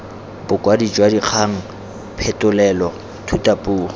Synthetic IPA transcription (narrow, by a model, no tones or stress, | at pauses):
bʊkʼwadit͡ʃʼwadiq͡χʰaŋ̩ | pʰɛtʼʊlɛlɔ | tʰutʼapʼuːχɔ